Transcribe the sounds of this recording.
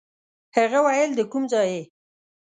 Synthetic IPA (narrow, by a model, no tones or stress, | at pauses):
haɣawajəld̪əkumzɑje